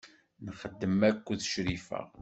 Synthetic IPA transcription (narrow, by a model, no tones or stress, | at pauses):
nəχəd̪ːəmækʷːðʃɾifə̰ʁ